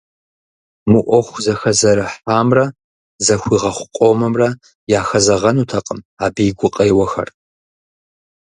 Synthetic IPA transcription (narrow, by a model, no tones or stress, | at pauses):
mɨʔʷɔxʷzɐxɐzɐɾɨħaːmrɐ | zɐxʷiːʁɐχʷʊqʷʼomɐmrɐ | jaːxɐzɐʁɐnuːtʰɐqʼəm | aːbiːɡʷʊqʼejwɐxɐ̰r